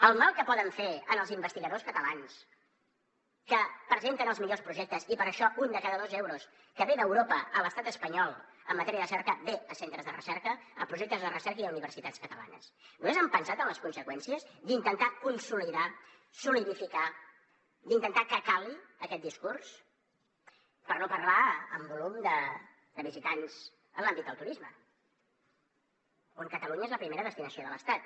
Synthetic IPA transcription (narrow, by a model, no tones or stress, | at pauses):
əlˠmalˠkəpɔðəɱfeənəlˠzimbəst̪iɣəðoskət̪əlans | kəpɾəzent̪ənəlˠzmiʎospɾuʒɛk̚t̪əzipəɾəʃɔʔund̪əkaðəðozɛwɾus | kəβeðəwɾopəələst̪at̪əspəɲɔlˠ | əmːət̪ɛɾiəðəsɛɾkəbeəsent̪ɾəzðərə̰sɛɾkəə̰pɾuʒɛk̚t̪əzðərəsɛɾkəiðəuniβ̞ərsit̪at̪skət̪əla̰nə̰snumezəmpənsat̪ənləskunsəkwɛnsiəzd̪int̪ənt̪akunsuliða | suliðifika | d̪int̪ənt̪akəkaliəkɛt̪̚d̪iskurs | pəɾnopərlaəmbulumd̪ə | d̪əβizit̪anz̥ | ənlambit̪̚d̪əlˠt̪uɾizmə | oŋkət̪əluɲəezləpɾimeɾəðəst̪inəsioðələst̪at̪